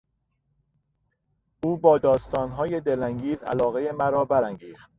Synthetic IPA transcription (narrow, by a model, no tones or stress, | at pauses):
ʔuːbɒːd̪ɒːst̪ɒːnɦɒːje̞d̪e̞læŋɟiːzæ̰lɒːɣe̞jemæɾɒːbæɾæŋɡiːxt̪̚